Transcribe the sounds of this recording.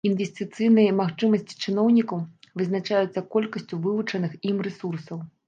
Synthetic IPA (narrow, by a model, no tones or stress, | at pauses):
invʲɪsʲt̪ɨt̪sɨjnɨjɐmaxt͡ʂɨmɐsʲt͡sʲi̥t͡ʂɨn̪ɔwnʲikɐwvɨznat͡ʂajut̪sːɐkɔlʲkɐsʲt͡sʲuvɨvut͡ʂɐnɨximrɛsursɐw